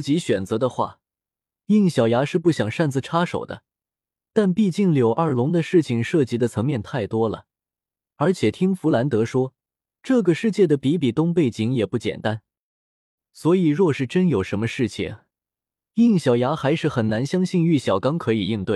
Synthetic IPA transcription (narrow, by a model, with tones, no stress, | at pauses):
t͡ɕi˧˥ɕɥɛ˨˩nt͡sɤ˧˥d̪ə˧xwa̰˥˩ | i˥˩ŋɕjɑ˨˩ʊja˧˥ʂɻ̩˥˧pu˥˩ɕjɑ˨˩ŋʂa˥˩nt͡sɹ̩˨˩ʈ͡ʂʰa˥ʂo˨˩ʊd̪ə̰˦ | t̪a˥˧npi˥˧t͡ɕi˥˩ŋljo˨˩ʊʔa˞˥˩lʊ˧˥ŋd̪ə˧ʂɻ̩˥˩t͡ɕʰi˧˩ŋʂɤ˥˩t͡ɕi˧˥d̪ə˧t͡sʰɤ˧˥ŋmjɛ˥˧nt̪ʰa˥˩ɪt̪wɔ˥lə̰˨˩ | ə˞˧˥t͡ɕʰjɛ˨˩t̪ʰi˥ŋfu˧˥la˧˥nt̪ɤ˧˥ʂwɔ˥ | ʈ͡ʂɤ˥˩ɡə˩ʂɻ̩˥˧t͡ɕjɛ˥˩d̪ə˩pi˧˥pi˨˩t̪ʊ˥ŋpe˥˩ɪt͡ɕi˧˥ŋjɛ˨˩pu˥˩t͡ɕjɛ̰˨˩nt̪a˥n | swɔ˧˥i˨˩ɻwɔ˥˧ʂɻ̩˥˩ʈ͡ʂə˥njo˨˩ʊʂə˧˥nmə˧ʂɻ̩˥˩t͡ɕʰḭ˨˩ŋ | i˥˩ŋɕjɑ˨˩ʊja˧˥xa˧˥ɪʂɻ̩˥˩xə˨˩nna˧˥nɕjɑ˥ŋɕi˥˧ny˥˩ɕjɑ˨˩ʊkɑ˥ŋkʰɤ˧˥i˨˩i˥˧nt̪we˥˩ɪ